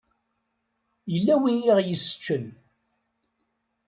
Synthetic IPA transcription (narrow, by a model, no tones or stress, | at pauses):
jəlːæwiniʁjəsːə̥t͡ʃːən